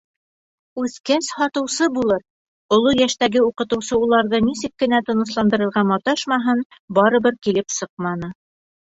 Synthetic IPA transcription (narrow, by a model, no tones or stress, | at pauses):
ʉθkæshɒt̪ɤ̆wsɤbulˠɤɾ | ŏlˠojæʃt̪æɡɘuqɤ̆t̪ɤ̆wsɤulˠɑɾðɤnisɘkːɘ̆næt̪ɤ̆nɤ̆slˠɑnd̪ɤ̆ɾɤ̆ɾʁɑmɑt̪ɑʃmɑɦɤnbɑɾɤ̆βɤɾkilɘpsɤq̚mɑnɤ